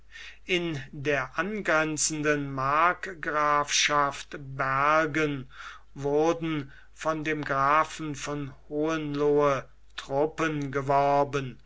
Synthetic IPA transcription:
ʔɪndeːɐʔanɡʁɛnt͡sən̩dənmaɐkɡʁaːfʃaftbæɐɡən | vʊɐdn̩ | fɔndeːmɡʁaːfn̩fɔnhoːənloə | tʁ̥ʊpənɡəvɔɐbən

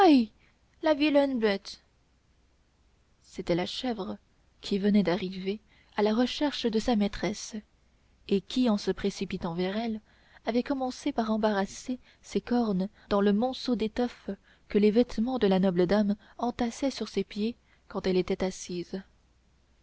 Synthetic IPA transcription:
aj | lavilɛnbɛt̪ | set̪ɛlaʃɛvʁə | kʲʰivənɛd̪aʁive | alaʁəʃɛʁʃd̪əsamɛt̪χɛs | ekʲiɑ̃səpχesipit̪ɑ̃vɛʁɛl | avɛkɔmɑ̃sepaʁɑ̃baʁase | sekɔʁn | d̪ɑ̃ləmɔ̃sod̪et̪ɔf | kəlevɛt̪mɑ̃d̪əlanɔbləd̪am | ɑ̃t̪asɛsyʁsepje | kɑ̃t̪ɛlet̪ɛt̪asiːz

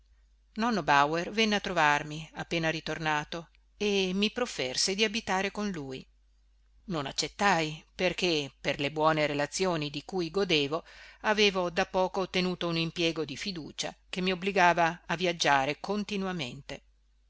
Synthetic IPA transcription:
nɔnːobawervɛnːeat̪ːɾovarmiapːeːnaɾit̪ornaːt̪o | emːipɾofɛrsed̪iabit̪aːɾekonluːj | nona̰t͡ʃːet̪ːajperkeperlebwɔːneɾelat̪sːjoːnid̪ikujɡod̪eːvoaveːvod̪apːɔːkoːt̪ːenuːt̪ounimpjɛːɡod̪ifid̪ṵːt͡ʃa̰k̟emːiobliɡaːvaːvːjad͡ʒːaːɾekont̪inwamḛnt̪e

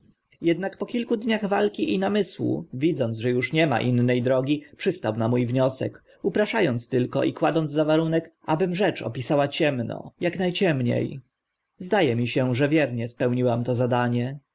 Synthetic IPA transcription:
jɛd̪nakpɔkʲilkud̪ɲaɣvalkʲiʔinamɘswṵvʲid̪zɔnʐɛjuʂɲɛma̰ʔinːɛjd̪ɾɔɡʲipʂɘst̪awnamujvɲɔsɛ̰k | upɾaʂajɔnt̪st̪ɘlkɔ̰ʔikwad̪ɔnzzavaɾunɛkʔabɘmʐɛt͡ʂɔ̰pʲisawat͡ɕɛmnɔ̰jaknajt͡ɕɛmɲḛj | zd̪ajɛmʲiɕɛʐɛvʲjɛɾɲɛspɛwɲiwamt̪ɔzad̪aɲɛ

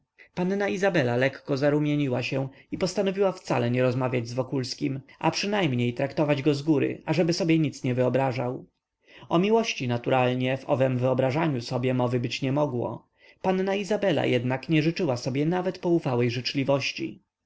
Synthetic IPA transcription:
panːaizabɛlalɛkːɔzaɾumʲjeɲiwaɕɛipɔst̪anɔvʲiwaft̪sa̰lɛɲɛɾɔzmavʲjad͡ʑzvɔkulskʲimʔa̰pʂɘnajmɲejt̪ɾakt̪ɔvad͡ʑɡɔzɡuɾɘ̰aʐɛbɘsɔbʲjɛɲit̪sɲɛvɘɔbɾaʐaw | ɔmʲiwɔɕt͡ɕinat̪uɾalɲɛvɔ̰vɛmvɘɔbɾaʐaɲusɔbʲjɛmɔvɘbɘt͡ɕɲɛmɔɡwɔ̰ | panːaizabɛla̰jɛd̪nakɲɛʐɘt͡ʂɘwasɔbʲjɛnavɛt̪pɔufawɛjʐɘt͡ʂlʲivɔɕt͡ɕḭ

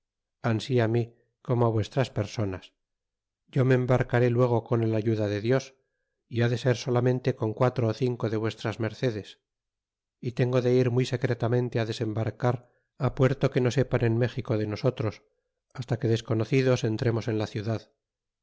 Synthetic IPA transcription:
ansiami | ko̞moaβwe̞st̪ɾaspe̞ɾso̞nas | ɟ͡ʝo̞me̞ːmbaɾkaɾe̞lwe̞ɣ̞o̞ko̞ne̞laʝuðaðe̞ðjo̞s | iaðe̞se̞ɾso̞lamẽ̞nt̪e̞ko̞ŋkwat̪ɾo̞ːθiŋko̞ðe̞βwe̞st̪ɾazme̞ɾθe̞ðe̞s | it̪e̞ŋɡo̞ðe̞iɾmujse̞kɾe̞t̪amẽ̞nt̪e̞aðe̞se̞mbaɾkaɾ | apwe̞ɾt̪o̞ke̞no̞se̞pane̞nme̞xiko̞ðe̞no̞so̞t̪ɾo̞s | ast̪ake̞ðe̞sko̞no̞θiðo̞se̞nt̪ɾe̞mo̞se̞nlaθjuðað

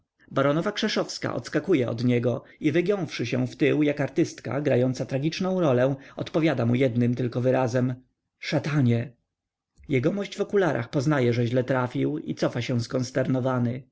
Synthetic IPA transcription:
baɾɔnɔvakʂɛʂɔfska̰ʔɔ̰t̪skakujɛɔ̰d̪ɲɛɡɔivɘɡjɔ̃w̃fʂɘɕɛ̃ft̪ɘwjakaɾt̪ɘst̪ka̰ɡɾajɔnt̪sat̪ɾaɡʲit͡ʂnɔ̃w̃ɾɔlɛ̃w̃ɔt̪pɔvʲjad̪amujɛd̪nɘmt̪ɘlkɔvɘɾazɛm | ʂat̪aɲɛ | jɛɡɔmɔɕd͡ʑvɔkulaɾʔa̰xpɔznajɛʐɛʑlɛt̪ɾafʲiwḭt̪sɔfaɕɛw̃skɔnst̪ɛɾnɔvanɘ

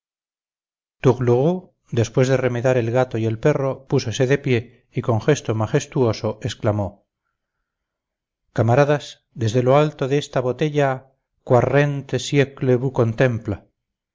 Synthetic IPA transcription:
t̪uɣluɣu | d̪e̞spwe̞zðere̞meðaɾe̞lɣat̪o̞je̞lpe̞ro̞puso̞se̞ðe̞pje̞ | iko̞ŋxe̞st̪o̞maχe̞st̪uo̞so̞e̞sklamo | kamaɾaðas | d̪e̞zðe̞lo̞alt̪o̞ðeest̪aβo̞t̪e̞ʎa | kware̞nt̪e̞sjekleβuko̞nt̪e̞mpla

